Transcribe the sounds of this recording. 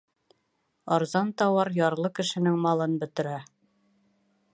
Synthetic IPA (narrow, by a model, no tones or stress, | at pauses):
ɑɾzɑnt̪ɑwɑɾjɑɾlˠɤkɘ̆ʃɘ̆nɘŋmɑlˠɤnbɵ̆t̪ɘ̆ɾæ